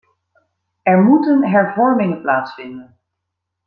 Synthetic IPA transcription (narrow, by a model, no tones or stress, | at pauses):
ɛɹmutənɦɛɹvɔɹmɪŋənplaːtsfɪndən